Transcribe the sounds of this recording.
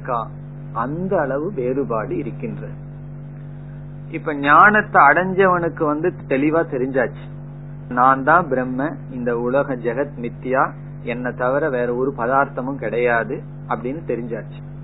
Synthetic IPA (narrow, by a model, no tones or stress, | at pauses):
kːãː | ɐnd̪ɐːɭɐʋɯpeːɾɯbaːɽɯɪɾɯkːɪndrɐðɯ | ɪpːoːɲaːnɐt̪ːɐːɽɐɲd͡ʒɐʋɐnɯkːɯʋɐnd̪ɯt̪ɛlɪʋaːt̪ɛɾɪɲd͡ʒaːt͡ʃːi̥ | naːnd̪ãːbɪɾɛmːɐ | ɪnd̪ɐʊɭɐɣɐd͡ʒɛɣɐt̪mɪt̪ːɪjaː | ɛnːɐt̪ɐʋɐɾɐʋeːɾɐɔɾɯpɐðaːɾt̪ɐmɯmkɪɽɐjaːðɯ | ɐpːɐɽɪnːɯt̪ɛɾɪɲd͡ʒaːt͡ʃːi̥